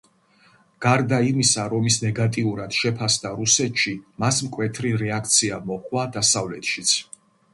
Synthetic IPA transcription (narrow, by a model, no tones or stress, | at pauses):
ɡ̥aɾd̪aimisaɾɔmisnɛɡat̪ʼiuɾad̪̥ʃɛpʰasd̪aɾusɛt̪ʃimasmkʼwɛt̪ʰɾiɾɛak̚ʰt̪sʰiamɔχwad̪asavlɛt̪ʃit̪sʰ